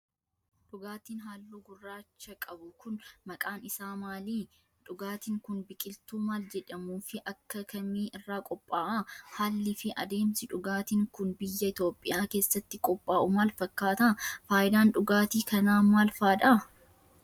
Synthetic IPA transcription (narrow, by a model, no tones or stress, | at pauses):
ᶑʊɡaːt̪iːnɦaːlːuːɡʊrːaːt͡ʃːɐkʼɐbʊkʊnmɐkʼaːnɪsaːmaːliː | ᶑʊɡaːt̪iːŋkʊnbɪkʼɪlt̪uːmaːld͡ʒɛᶑɐmuːfɪʔɐkːɐkʰɐmiːʔɪrːaːkʼɔpʼːaːʔɐhaːlːɪfɪʔɐd̪e̞ːmsɪᶑʊɡaːt̪iːŋkʊnbɪjːɐɪt̪jo̞ːpʼːɪjaːke̞ːsːɐt̪ːɪkʼɔpʼːaːʔʊmaːlfɐkːaːt̪ɐfaːjɪd̪aːnᶑʊɡaːt̪iːkɐnaːmaːlfaːᶑ̪ɐ